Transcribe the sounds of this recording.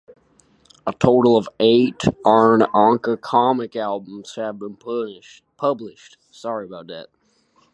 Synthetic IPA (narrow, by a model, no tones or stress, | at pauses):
ətʰoʊɾl̩ˠʌveɪtə̃nɑ̃ŋkəkʰɑmɨkælˠbə̃m̩z̥hɨvbə̃n | pʰʌblɪʃt | sɑɹiɨəbaʊt̪̚ðæ̰t̚